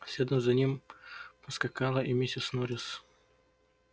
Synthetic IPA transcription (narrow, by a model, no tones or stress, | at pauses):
sʲed̪əmzɐnʲimpəskɐkalˠəʔimʲesʲɪsnɔɾʲɪs